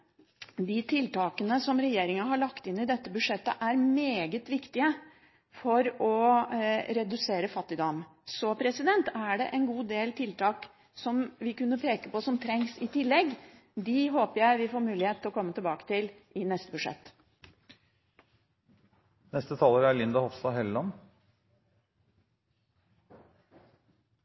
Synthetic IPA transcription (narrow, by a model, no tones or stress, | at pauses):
d̪ɪt̪ʰɪlt̪ɑːkənəsɔmɾɛjeːɾɪŋɑɦɑɭɑkt̪ɪnːɪd̪ɛt̪ːəbʉʂɛt̪ːə̰ʔæɾmeːɡət̪ʋɪkt̪ɪə | fɔɾɔ | ɾɛd̪ʉseːɾəfɑt̪ːɪd̪ɔmsɔpʰɾɛsɪd̪ɛnt̪æɖɛ̰ʔɛnɡuːd̪eːlt̪ʰɪlt̪ʰɑːk | sɔmʋɪkʉnːəpʰeːkəpɔsɔmt̪ʰɾɛŋsɪt̪ʰɪlːɛɡ | d̪ɪɦoːpəɾjæɪʋɪfoːɾmʉːlɪheːt̪ʰːlɔkʰɔmːət̪ʰɪlbɑːkə̥t̪ʰɪlʔɪnɛst̪əbʉʂɛ̰t̪ː | nɛst̪ət̪ʰɑːləɾælɪnd̪ɑhɔfst̪ɑɦɛlːɑn